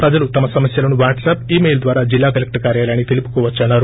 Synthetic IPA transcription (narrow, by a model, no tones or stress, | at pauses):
pɾɐd͡ʒɐlut̪ɐmɐsɐmɐsjɐlɐnuʋaːɾʈsɐpiːmejld̪ʋaːɾaːd͡ʒilːaːkɐlek̚ʈɐkaːɾjaːljaːɳit̪ʰilipu̥kuʋɐt͡ʃːaːɳːaːɾu